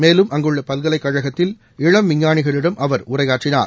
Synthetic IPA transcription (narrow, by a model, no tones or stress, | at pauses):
meːlɯmʔɐŋɡɯɭːɐpɐlɣɐlɐɪkːɐɻɐɣɐt̪ːɪl | ɪɻɐmʋɪɲːaːɳɪɣɐɭɪɽɐmʔɐʋɐɾʊrɐɪjaːʈrɪna̰ːɾ